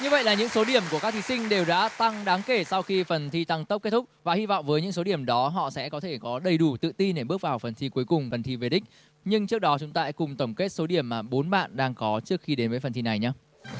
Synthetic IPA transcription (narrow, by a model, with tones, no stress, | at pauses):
ɲɨ˧və̰˧˨jlaː˨˩ɲɨ̰˧˥ŋso˨˦ɗi˧˩əmku˧˩əkaː˦˥k̚t̪i˨˧sï˧ŋ̟ɗe˨˩wɗa̰ː˧˥t̪a˧ŋɗaː˨˦ŋke˧˩sa˧wxi˧fə˨˩nt̪ʰi˧t̪a˧ŋt̪ə˦˥p̚ke˦˥t̚t̪ʰk͡p̚vaː˨˩hi˧vɔ̰˧˨ŋ͡mvəː˨˦jɲɨ̰˧˥ŋso˨˦ɗi˧˩əmɗɔ˨˦ɦɔ̰˧˨sɛ̰˧˥kɔ˨˦t̪ʰe˧˩kɔ˨˦ɗə˨˩jɗu˧˩t̪ɨ̰˧˨t̪i˧nɗe˧˩ɓɨ˦˥ək̚vaː˨˩wfə˨˩nt̪ʰi˧ku˨˦jkʊ˨˩ŋ͡mvə˨˩nt̪ʰi˧ve˨˩ɗï˦˥k̟̚ | ɲɨ˧ŋt͡ɕɨ˦˥ək̚ɗɔ˨˦t͡ɕʊ˨˦ŋ͡mt̪aː˧ʔɛ˦˥kʊ˨˩ŋ͡mt̪ə˧˩wŋ͡mke˦˥t̚so˨˦ɗi˧˩əmːaː˨˩ɓo˨˦nɓa̰ː˧˨nɗaː˧ŋkɔ˨˦t͡ɕɨ˦˥ək̚xi˧ɗe˨˦nvəː˨˦jfə˨˩nt̪i˧na˨˩jɲaː˧